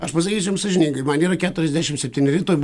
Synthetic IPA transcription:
ɐʃpɐsʲɐkʲiːsʲʊjmsɐʒʲɪnʲiːŋɡɐɪmɐniːɾɐkʲæːt̪ʊɾʲɛzʲd̪ʲæːʃʲɪmsʲɛpʲt̪ʲiːnʲɪɾʲiːt̪oːjb

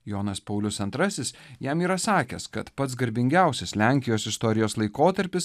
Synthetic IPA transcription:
joːnɐspɐʊlʲʊsɐnt̪ɾɐsʲɪsjɛmiːɾɐsɑːkʲɛ̰skɐt̪pɐt̪s̬ɡɐɾʲbʲɪŋʲɡʲæˑʊsʲɛslʲæˑŋʲkʲɪjoːsɪst̪ɔɾʲɪjoːslˠɐɪkoːt̪ɐɾʲpʲɪs

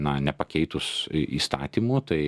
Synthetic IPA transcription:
nɐnʲɛpɐkʲɛɪt̪ʊsʔḭːst̪ɑ̰ːt̪ʲiːmuːt̪ɐɪ

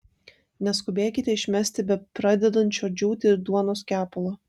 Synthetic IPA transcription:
nʲɛskʊbʲeːkʲɪt̪ʲɛɪʃʲmʲɛsʲt̪ʲɪbʲɛt̪pɾɑd̪ʲɛd̪ɐnʲt̪t͡ʃʲoːd͡ʒʲuːt̪ʲɪɪɾd̪uɔnoːskʲæːpʊlˠoː

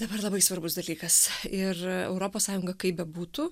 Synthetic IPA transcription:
d̪ɐbɐrlˠɐbɐɪsʋɐrbʊsd̪ɐlʲiːkɐsɪrɛ̰ʊɾoːpoːssɑːjʊŋɡɐkɐɪpbʲɛbuːt̪uː

